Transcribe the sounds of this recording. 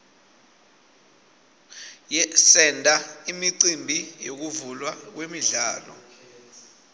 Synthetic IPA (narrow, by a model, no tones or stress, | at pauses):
jɛsɛndʱaimiǀimbʱijok̬uvulwak̬wemiɮaːlɔ̰